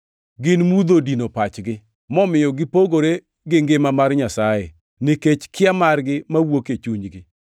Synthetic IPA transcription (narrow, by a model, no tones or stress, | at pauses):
ɡɪnmud̪odinopat͡ʃɡɪ | mɔmɪjɔɡɪpoɡoɾe | ɡɪŋɡɪmamarɲasajḛ | nɪket͡ʃkɪamarɡɪmawoket͡ʃuɲɡɪ